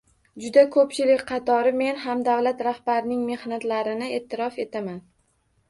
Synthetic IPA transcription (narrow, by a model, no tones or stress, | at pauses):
d͡ʒʊd̪akʰɵpt͡ʃʰɪlɪkʲqʰɑt̪ʰɒɾɪme̞nɦamd̪avlat̪ɾahbaɾɪnɪŋme̞hnat̪laɾɪnɪe̞ːt̪ʰːɪɾɒfe̞t̪ʰaman